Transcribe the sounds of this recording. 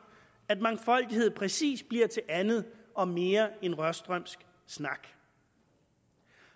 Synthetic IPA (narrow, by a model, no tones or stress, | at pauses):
æd̥mɑ̈ŋfɒ̽l̰d̥ihe̝ð̞̰ˠpʰʁɛsḭːs̚b̥liɐt͡sʰe̝ʔænð̩ˠɒ̽me̝ːɐe̝nʁɶsd̥ʁœm̰sɡ̥ | snɑ̈ɡ̥